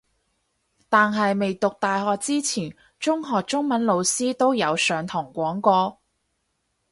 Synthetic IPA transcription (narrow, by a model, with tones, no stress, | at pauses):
t̪aː˨nɦɐ˨jme˨jt̪ʊ˨k̚t̪aː˨jɦɔː˨k̚t͡siː˥t͡sʰiː˨˩n | t͡ʃʊ˥ŋɦɔː˨k̚t͡ʃʊ˥ŋmɐ˨˥nlo˨˧wsiː˥t̪o˥wjɐ˨˧wsœː˨˧ŋt̪ʰɔː˨˩ŋkʷɔː˨˥ŋkɔː˧